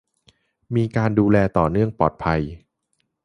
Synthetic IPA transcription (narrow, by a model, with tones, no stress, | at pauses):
miː˧kaː˧nduː˧lɛː˧t̪ɔː˨˩nɯ˥˩əŋpɔː˨˩t̪̚pʰa˧j